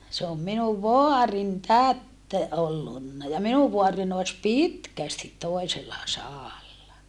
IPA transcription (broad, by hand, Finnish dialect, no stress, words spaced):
se om minuʋ ʋoɑrin tæt olːunːɑ jɑ minuʋ ʋoɑrin oes pitkæstit toeselːɑ sɑːlːɑ